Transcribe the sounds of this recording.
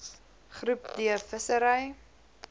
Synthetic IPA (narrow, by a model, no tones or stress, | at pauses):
χrʉpdiəfəsəɾəj